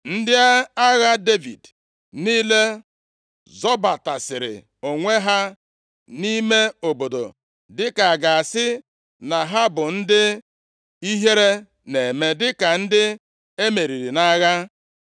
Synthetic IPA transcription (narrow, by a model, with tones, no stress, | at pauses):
n̩˦dɪ˦a˦a˦ɣa˦de˦vḭ˨d | niː˦le˦ | zɔ˦ba˨ta˨sɪ˨ɾɪ̰˨ | o˨ŋʷe˦ɦa˦ | ni˦me˦o˨bo˨do̰˨ | dɪ˦ka˨a˨ɡa˨a˨sɪ˦ | na˨ɦa˦bʊ˨n̩˦dɪ˦ | i˦ɦe˦ɾe˦ | ne˨me˨dɪ˦ka˨n̩˦dɪ˦ | e˦me˨ɾi˨ɾi˨na˦ɣa˦